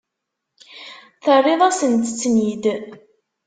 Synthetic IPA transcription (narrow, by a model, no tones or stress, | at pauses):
θərˤːeðˤasənt̪ət͡sːnid̪